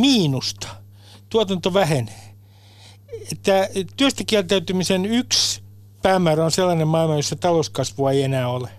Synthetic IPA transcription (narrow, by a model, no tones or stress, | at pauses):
miːnust̪ɑ̥ | t̪uot̪ɑnt̪oʋæhen | et̪ːæt̪yøst̪ækiælt̪æyt̪ymisenyks | pæːmæːræonselːɑnemmɑilmɑjosːɑt̪ɑloskɑsʋuɑeienæːole